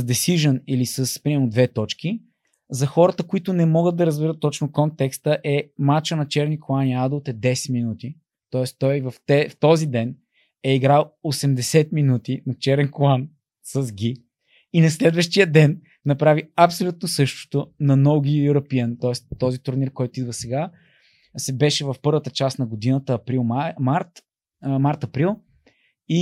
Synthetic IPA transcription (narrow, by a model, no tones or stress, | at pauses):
səzd̪ɛsiʒənilisɐspɾimɛɾnod̪vɛt̪ɔt͡ʃki | zɐxɔɾət̪əkoit̪ʊnɛmɔɡəd̪̚d̪ɐɾəzbɛɾət̪ːɔt͡ʃnokɔnt̪ɛkst̪əʔɛmat͡ʃənɐt͡ʃɛɾnikoaniad̪olˠt̪ɛd̪ɛsɛ̥t̪minut̪i | t̪ɔɛst̪ɔjvɐft̪ɛft̪ɔzid̪ɛn | ɛiɡɾalˠosɛmd̪ɛsɛt̪minut̪inɐt͡ʃɛɾɛnkoan | sɐzɡʲi | inɐslɛd̪vəʃt̪ijəd̪ɛnː | ɐpɾaviɐpsolʲut̪̚nosɤʃt̪ʊ̥t̪ʊnɐnɔɡiuɾɐpiənt̪ɔɛst̪ːɔzit̪ʊɾniɾkɔjt̪ʊid̪vəsɛɡa | sɛbɛʃɛvɐfpɤɾvət̪ət͡ʃasnɐɡod̪inət̪əːpɾilˠmaɾt̪ | maɾt̪ɐpɾilˠ | i